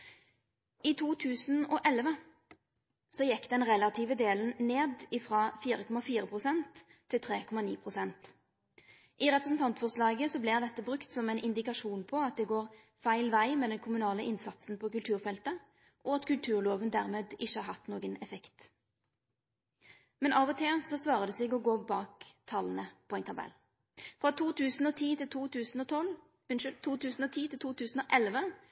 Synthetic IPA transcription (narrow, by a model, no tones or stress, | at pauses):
iːt̪ʰuːt̪ʰʉːsn̩ɔʔɛlʋə | sɔjɛkːd̪ɛnʁɛlɑt̪ʰiːʋəd̪eːlən̩neːd̪ɪfʁɑːfiːʁəkʰɔmɑfiːʁəpʰʁʊsɛnt̪ʰː | ɪlt̪ʰʁeːkʰɔmɑniːpʰʁʊsɛnt̪ | ʔɪʁɛpʁəsn̩t̪ɑnt̪fɔʁslɑːɡəsɔblɪʁd̪ɛt̪ːəbʁʉkt̪sɔmæɛɪnʔɪnd̪ɪkɑʃuːnpʰɔɑt̪̚d̪ɛːɡoːʁ | fæɪlʋæɪmeːd̪ɛnkʰʊmʉnɑːləʔɪnsɑt̪sn̩pʰɔkʉlt̪ʉːʁfɛlt̪ə | ʔɔɑt̪kʉlt̪ʰʉːʁloːʋənd̪æʁmeːd̪ɪʃːəhɑːʁɦɑt̪ːnoːɡənɛfɛkt̪ | mɛnɑːʋɔt̪ʰeːsɔsʋɑːʁəd̪əsɪɡɔɡoːbɑːkt̪ʰɑːlənəpʰɔɛɪnt̪ʰɑbɛ̰lː | fʁɑt̪ʰuːt̪ʉːsn̩ɔt̪ʰiːt̪ʰɪlt̪ʰuːt̪ʉːsn̩ɔt̪ʰɔl | ʉnʃʏlʰːuːt̪ʉːsn̩ɔt̪ʰiːt̪ʰɪlt̪uːt̪ʰʉːsn̩ɔʔɛlʋə